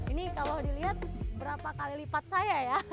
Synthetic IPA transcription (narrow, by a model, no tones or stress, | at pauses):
inikalodiliɦat̪̚bəɾapakalilipat̪̚sajaja